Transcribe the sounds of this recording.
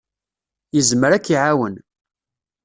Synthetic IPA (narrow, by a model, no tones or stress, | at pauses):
jəzməɾækːiʕawən